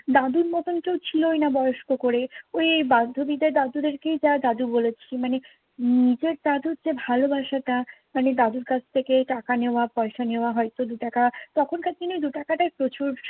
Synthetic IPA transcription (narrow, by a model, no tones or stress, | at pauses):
d̪ad̪uɾmɔt̪onkewt͡ɕʰilojnabɔjoʃkokoɾeojjbad̪ʱobid̪eɾd̪ad̪ud̪eɾkejd͡ʑad̪ad̪ubolet͡ɕʰimane | nid͡ʑeɾd̪ad̪uɾd͡ʑebʱalobaʃaʈamaned̪ad̪uɾkat͡ɕʰt̪ʰekeʈakaneoapɔeʃaneoaɦɔjt̪od̪uʈakat̪ɔkʰonkat͡ɕkinojd̪uʈakaʈaepɾot͡ɕuɾ